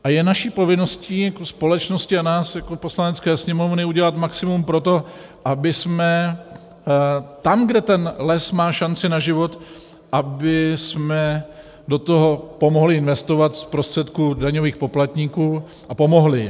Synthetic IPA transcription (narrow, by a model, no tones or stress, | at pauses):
ʔajɛnaʃiːpo̞vɪno̞sciːjakospo̞lɛt͡ʃno̞scɪanaːsjakopo̞slanɛt͡skɛːsɲɛmo̞vnɪuɟɛlat̪maksɪmumpɾo̞t̪o̞ | ʔabɪsmɛ | t̪amɡdɛt̪ɛnlɛsmaːʃant͡sɪnaʒɪvo̞t̪ | ʔabɪsmɛ | do̞t̪oɦopo̞moɦlɪɪnvɛst̪o̞vat̪spɾost̪r̝̥ɛt̪kudaɲoviːxpo̞plat̪ɲiːkuː | ʔapo̞mo̞ɦlɪ